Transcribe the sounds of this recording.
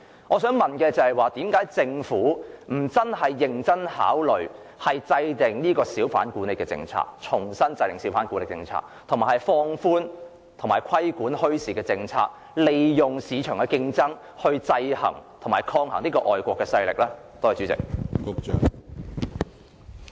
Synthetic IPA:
ŋɔː˨˧sœː˨˥ŋmɐ˨nkɛː˧t͡sɐ˨hɐ˨jwaː˨t̪iː˨˥mkaː˨˥jt͡sɪ˧ŋfuː˨˥m̩˨˩t͡sɐ˥nɦɐ˨jːɪ˨ŋt͡sɐ˥nha̰ː˨˥wlɵ˨ɥ | hɐ˨jt͡sɐ˧jt̪ɪ˨ŋniː˥kɔː˧siː˨˥wfa̰ː˨˥nkuː˨˥nle˨˩kːɛː˧t͡sɪ̰˧ŋt͡sʰa̰ː˧˥k̚t͡ʃʰʊ˨˩ŋsɐ˥nt͡sɐ˧jt̪ɪ˨˩ŋsi˨˥wfaː˨˥nkuː˨˥le˨k̚t͡sɪ̰˧ŋt͡sʰa̰ː˧k̚t̪ʰo˨˩maː˨˩hɐ˨jfɔː˧ŋfuː˥n | t̪ʰʊ˨˩maː˨˩jkʷʰɐ˥jkuː˨˥nhɵ˥ɥsiː˨˩kɛː˧t͡sɪ˧ŋt͡sʰa̰ː˧k̚ | le˨jjʊ˨ŋsiː˨˧t͡ʃʰœː˨˩ŋkɛ˧kɪ˧ŋt͡sɐ˥ŋ | hɵ˧ɥt͡sɐ˧jhɐ̰˨˩ŋt̪ʰo˨˩maː˨˩jkʰɔː˧ŋhɐ˨˩ŋniː˥kɔː˧ʔɔː˨jkʷɔː˧kːɛː˧sɐ˧jlɪ̰˨k̚lɛː˥ | t̪oː˥hɐ˨˩t͡ʃyː˨˥t͡sɪ̰˨k̚kʊ˧k̚t͡ʃœ̰ː˨ŋ

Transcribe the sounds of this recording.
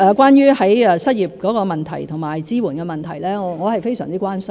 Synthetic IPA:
ɛː˧kwaː˥njyː˥hɐ˨˥jɛː˧sɐ˥t̚jiː˨p̚kɔː˨˥kɔː˧mɐ˨nt̪ʰɐ̰˨˩jt̪ʰʊ˨˩ŋmaː˨˩jt͡siː˥wuː˨˩nkɛ˧mɐ˨nt̪ʰɐ˨˩jlɛː˥ŋɔː˨˧ŋɔː˨˧hɐ˨jfe˥jsœ̰ː˨˩ŋt͡siː˥kwaː˥nsɐ˥˦

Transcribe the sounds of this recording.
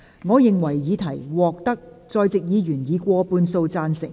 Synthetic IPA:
ŋɔː˨˧jɪ˨ŋwɐ˨˩jjiː˨˧t̪ʰɐ˨˩jwɔː˨k̚t̪ɐ˥k̚ | t͡sɔː˧jt͡sɪ˨k̚jiː˨˧jyː˨˩njiː˨˧kʷɔː˧puː˧nso˧wt͡saː˧nsɪ˨˩ŋ

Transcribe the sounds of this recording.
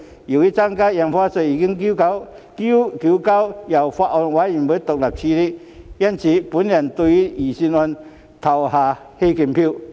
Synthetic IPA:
ji˨˩i˦˥t͡sa˧ŋka˦ja˨˩nfwa˧t͡sə˧˩iː˨˩ki˦˥ŋki˦ka˦wki˦ki˧˦ka˦wja˨˩wfa˧ʔɔ˧nwa˨˦i˨˩nbə˨˦t̪o˨k̚la˨˩p̚t͡ɕʰi˧ɾi˦ | ja˧˨nt͡ɕʰi˨˩pu˨˦nlja˨nt̪u˧i˦i˨˩si˧nwa˧n | t̪ʰa˨˩wha˧˩ | he˧ke˧˩npʰi˥˧˨

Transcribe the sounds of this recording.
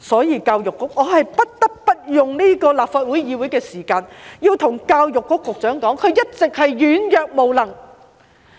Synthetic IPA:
sɔː˨˥jiː˨˧˩kaː˧wjʊ˨kːʊ˥k̚ŋɔː˨˧ɦɐ˨jpɐ˥t̚t̪ɐ˥k̚pɐ˥t̚jʊ˨ŋniː˥kɔː˧laː˨p̚faː˧t̚wu˨˥jjiː˨˧wu˨˥jkɛː˧siː˨˩kaː˧njiː˧wt̪ʰʊ˨˩ŋkaː˧wjʊ˨kːʊ˦˥kːʊ˨k̚t͡sœː˨˥ŋkɔː˨˥ŋkʰɵ˨˧ɥjɐ˥t̚t͡sɪ˨k̚hɐ˨jjyː˨˥njœː˨k̚mo˨wlɐ˨˩ŋ

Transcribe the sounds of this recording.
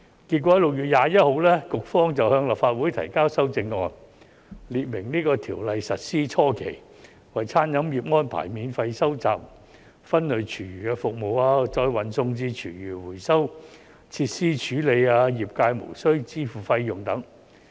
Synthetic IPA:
ki˧t̚kʷɔ˨˥lʊ˨k̚jyː˨t̚jaː˨˧jɐ˥t̚ho˨˧wlɛː˥kʊ˨k̚fɔː˥ŋt͡sɐ˨whœː˧ŋlɐ˨p̚faː˧t̚wu˨˥jt̪ʰɐ̰˨˩jkaː˥wsɐ˥wt͡sɪ˧ŋːɔː˧n | liː˨t̚mɪ˨˩ŋniː˥kɔː˧t̪ʰiː˨˩wlɐ˨jsɐ˨t̚siː˥t͡sʰɔː˥kʰḛ˨˩j | wɐ˨˩jt͡sʰaː˥njɐ˨˥mjiː˨p̚ŋɔː˥npʰa̰ː˨˩jmiː˨˧nfɐ˧jsɐ˥wt͡sa̰ː˨p̚ | fɐ˥nlɵ˨˩ɥt͡ʃʰyː˨˩jyː˨˩kɛː˧fʊ˨k̚mo˨˩waː˧t͡sɔː˧jwɐ˨˩nsʊ˧ŋt͡siː˧t͡ʃʰyː˨˩jyː˨˩wuː˨˩jsɐ˥w | t͡sʰiː˧t̚siː˥t͡ʃʰyː˨˥le˨˧jaː˧jiː˨˩p̚kaː˧jmo̰˨˩wsɵ˥ɥt͡siː˥fuː˨˩fɐ˧jjʊ˨˩ŋt̪ɐ˨˥ŋ

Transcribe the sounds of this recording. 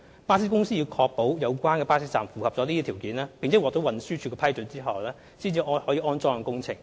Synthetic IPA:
paː˥s̬i˥kʊ˥ŋsiː˥jiː˨˧wkʰɔː˧k̚po˨˥wjɐ˨˧wkʷaː˥nkɛː˧paː˥sɪ˥t͡saː˨˧nfuː˨˩hɐ˨p̚t͡sɔː˨˥li˥iː˥t̪ʰːwkiː˨˥nlaː˥pɪ˨ŋt͡sʰɛ˨˥wɔː˨˩t̪o˨˥wɐ˨nsyː˥t͡ʃʰy˨˧˥kːɛ˧pʰɐ˥jt͡sɵ˨˧˥nt͡siː˥ɦɐ˨wlɛː˥ | siː˥nt͡siː˧ɔ˥hɔː˨˥jiː˨˧ʔɔː˥nt͡sɔː˥ŋɐ˨˩kʊ˥ŋt͡sʰɪ˨˩ŋ

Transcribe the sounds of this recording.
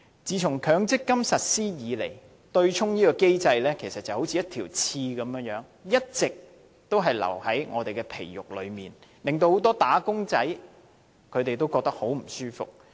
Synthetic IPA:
t͡siː˨˧t͡sʰʊ˨˩ŋkʰœː˨˥ŋt͡sɪ˥kːɐ˥msɐ˨t̚siː˥jiː˨˧lḛ˨˩j | t̪ɵ˧ɥt͡ʃʰʊ˥ŋniː˥kɔː˧ke˥jt͡sɐ˧jlɛː˥kʰe˨˩sɐ˨t̚t͡sːɐ˨˩who˨˥t͡sʰiː˨jɐ˥t̪ʰiː˨˩wt͡sʰiː˧kɐ˨˧˥mjœː˨˥ŋjœː˨˥ŋ | jɐ˥t̚t͡sɪ˨k̚ | t̪o˥wɦɐ˨jlɐ̰˨˩whɐ˨˥jŋɔː˨˧t̪e˨jkɛː˧pʰḛ˨˩jjʊ̰˨k̚lɵ̰˨˧ɥmiː˨˩nlɪ˨ŋt̪o˧who˨˥wt̪ɔː˥t̪aː˨˥kʊ˥ŋt͡sɐ˨˥j | kʰɵ˨˧t̪e˨jt̪̬o˥wkɔː˧k̚t̪ɐ˥k̚ho˨˥wm̩˨˩syː˥fʊ̰˨k̚

